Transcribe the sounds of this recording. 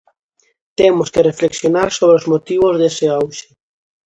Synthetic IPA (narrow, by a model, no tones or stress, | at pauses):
t̪emoskerefleksjonaɾsoβ̞ɾeozmot̪iβozðeseawʃe̥